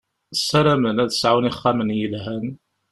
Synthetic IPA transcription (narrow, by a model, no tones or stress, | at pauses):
sælæmənæðə̥sʕawniχːæmənjəlhæn